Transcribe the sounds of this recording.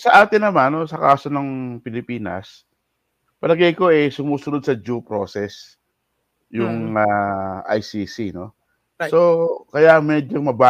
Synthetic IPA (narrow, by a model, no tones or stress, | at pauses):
sɐʔaːt̪ɪnːɐmanosɐka̰ːso̞nɐŋpɪlɪpiːnɐ̰s | pɐlɐɡɐjko̞ʔɛsʊmuːsʊnod̪̚sɐd͡ʒupɾo̰ːsɛs | jʊŋaʔa̰jsisino̞ | so̞kɐjamɛːd͡ʒomɐba